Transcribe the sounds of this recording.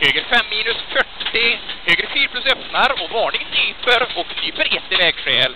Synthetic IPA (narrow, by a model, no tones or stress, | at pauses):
høːɡəɾfɛmːiːnɵsfœʈːɪhøːɡɾfyːɾpʰlɵsœpnaɾɔvɑːɳɪŋt̪ʰyːpəɾɔk̪yːpəɾjɛt̪ːɪvɛːɡɧɛːl